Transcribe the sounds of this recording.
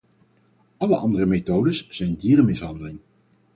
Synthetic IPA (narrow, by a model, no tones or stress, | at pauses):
ɑləʔɑ̰ndərəmetowdəsz̥ɛjndiːrəmɪsɦɑndəlɪŋ